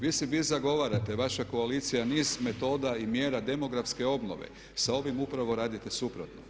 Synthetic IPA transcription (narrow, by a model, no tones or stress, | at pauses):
ʋiːsɛʋiːzaɡo̞ʋaːɾat̪eʋaʃako̞alit̪sijaniːzme̞t̪o̞ːd̪aimje̞ːɾad̪e̞mo̞ɡɾafske̞o̞bno̰ʋḛ | sao̞ʋimupɾaʋo̞ɾaːd̪it̪e̞supɾot̪no